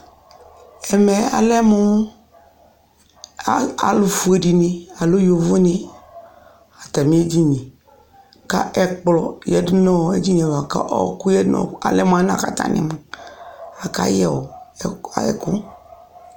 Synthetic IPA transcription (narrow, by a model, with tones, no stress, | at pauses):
ɛ˨mɛ˨a̰˨lɛ˦mu˦ | a˨lʊ˨fu˨e˨di˨nĩ˨a˨lu˦jo˨vu˦nĩ˦ | a˨t̪a˨mĩ˦e˦d͡ʒi˦ɲĩ˨ | ka̰˦ʔɛ˦k͡plɔ˨jɛ˦dnɔ̃˦˨e˦d͡ʒi˦ɲ˨ɛ˨va˨ka̰˦ʔɔ̰˦ku˦jɛ˦nɔ̰˨˦a̰˨lɛ˦m˦˨a˦nã̰˨ka̰˨t̪a̰˦nʔɪ̰˨m˨ | a˨ka̰˦jɛ˨wo̰˨ | ɛ̰˨ku˦